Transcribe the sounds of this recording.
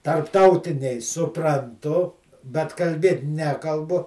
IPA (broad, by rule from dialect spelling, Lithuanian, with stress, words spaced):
tɐrpˈtɐʊtʲɪnʲɛɪ sʊprɐnˈtʊ bʲɛt kɐlʲˈbʲeːt ˈnʲæːkɐlˠbʊ